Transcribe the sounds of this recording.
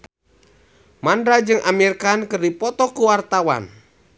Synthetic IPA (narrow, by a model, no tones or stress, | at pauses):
mandɾad͡ʒɨŋʔamirkankɨrdipɔt̪ɔkuwart̪awa̰n